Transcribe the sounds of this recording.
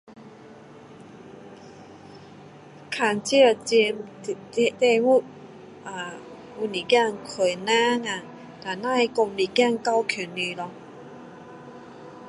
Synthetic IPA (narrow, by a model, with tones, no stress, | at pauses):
kʰa˨˩nt͡ɕi˥˦ə˨˩t͡ɕi˧m˨˧ | t̪ɛ˥˧ŋu˦˩ | a˨ | u˧ni˨˩kja˥˧ŋkʰe˨˩jnã˦ŋa˨ | t̪a˨˩nã˥˨˧kɔ˧mli˨˩kja˥˨ŋka˦wkʰu˨˩ny˨˩lɔ˧